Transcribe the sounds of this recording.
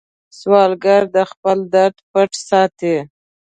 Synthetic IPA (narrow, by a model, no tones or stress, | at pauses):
swɑlɡaɾd̪əxpəld̪aɾd̪pəʈsɑt̪i